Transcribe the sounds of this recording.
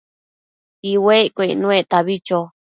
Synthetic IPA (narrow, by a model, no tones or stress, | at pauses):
iwekʷeinũet̪aβit͡ʃo